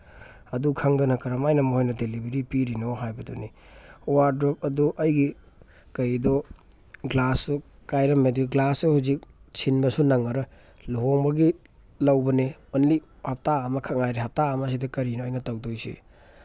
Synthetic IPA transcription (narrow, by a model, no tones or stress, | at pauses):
ɐdukʰaŋdɐnɐkɐɾɐmajnɐmuɦojnɐdelibeɾipiɾinoɦajbɐdɔni | owaɾdɾɔp̚ɐduʔɐjɡi | kɐɾidɔ | ɡlasukajɾɐmediɡlasɐhuzik̚t͡ʃʰinbɐsunaŋɐɾɐ | luɦoŋbɐɡi | lawbɐnemɐnli | hap̚taːmɐkʰaŋajɾiɦap̚taːmas̬idɐkɐɾinoɔjnɐtawdojsḭ